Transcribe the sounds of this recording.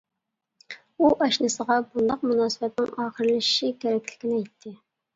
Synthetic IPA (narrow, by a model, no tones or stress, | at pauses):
uʔɑʃnɨsəʁɑbund̪ɑq̚munɑːsɨbɛt̪nɪ̰ŋɑːχəɾlɪʃʃikʲʰɛɾɛkʲlɪ̥kʲinɛjt̪ʰːɪ